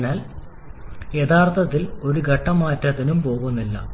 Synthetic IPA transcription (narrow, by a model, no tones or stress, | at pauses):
naːl | jet̪ʰaːrt̪ʰɐt̪ːilo̞ɾuɡʱɐʈːɐmaːtːɐt̪ːinumpo̞ːɣunːilːɐ̰